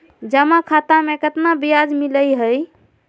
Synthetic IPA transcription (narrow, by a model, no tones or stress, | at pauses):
d͡ʒəmakʰat̪amekət̪nabijad͡ʒmiləjɦəj